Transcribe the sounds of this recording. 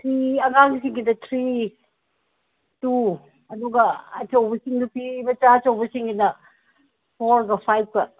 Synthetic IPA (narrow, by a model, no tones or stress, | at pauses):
tʰɾiɐŋaŋɡisiŋɡidɐtʰɾi | tu | ɐduɡɐɐt͡ʃɐwbɐsiŋnupibɐt͡ʃat͡ʃɐwbɐsiŋɡinɐ | pʰoɾɡɐpʰajp̚kɐ